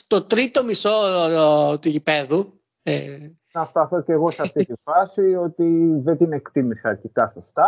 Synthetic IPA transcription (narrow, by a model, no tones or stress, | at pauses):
st̪o̞t̪ɾit̪o̞miso̞ | t̪uʝipe̞ðu | e | nɐst̪ɐθo̞ce̞ɣo̞sɐft̪it̪ifɐsio̞t̪iðed̪ine̞kt̪imisɐɐɾcik̪ɐso̞st̪ɐ